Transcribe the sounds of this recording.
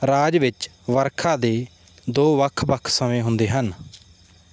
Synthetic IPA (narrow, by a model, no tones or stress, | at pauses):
ɾaːd͡ʒʋɪt͡ʃ | ʋəɾkʰãːd̪eː | d̪oːʋəkʰbəkʰsəmẽːɦʊ̃nd̪eːɦən